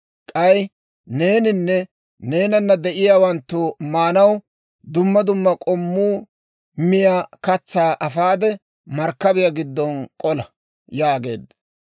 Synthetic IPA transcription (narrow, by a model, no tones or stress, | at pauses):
kʼɐj | ne̞ːnɪnːɛ | ne̞ːnɐnːɐd̪ɛʔɪjaːwɐnt̪ːʊmaːnɐw | d̪ʊmːɐd̪ʊmːɐkʼɔmːuː | mɪjakɐt͡sːaːʔɐfaːd̪ɛ | mɐɾkːɐbɪjaɡɪd̪ːɔnkʼɔlɐ | jaːɡe̞̰ːd̪ːɐ